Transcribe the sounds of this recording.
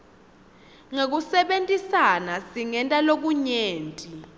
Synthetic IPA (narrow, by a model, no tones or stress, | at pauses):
ŋek̬usɛɓentʼisanasiŋɛntʼalok̬uɲeːntʼi